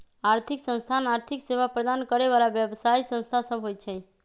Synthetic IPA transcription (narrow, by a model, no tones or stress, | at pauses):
aɾt̪ʰiksə̃ñst̪ʰanaɾt̪ʰikseʋapɾəd̪ankəɾeʋalaʋjəbsaisə̃nst̪ʰasəbɦojt͡ʃʰe